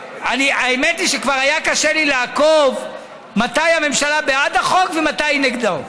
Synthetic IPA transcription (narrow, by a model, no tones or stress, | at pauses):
aniaemetliʃekvaʁajakaʃelileakov | mat̪ajame̞mʃalabeadaχo̞kvematajneɡd̪aʁ